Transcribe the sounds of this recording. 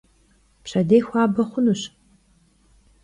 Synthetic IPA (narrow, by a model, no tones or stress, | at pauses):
pɕɐdejxʷɑːbɐχʷʊnuɕ